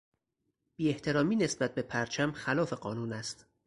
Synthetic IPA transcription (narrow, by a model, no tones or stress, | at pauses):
b̥iːe̞ht̪ʰe̞ɾɒːmiːne̞sbæt̪̚be̞pʰæɾt͡ʃʰæmxælɒːfe̞ɢɒːnuːnæst̪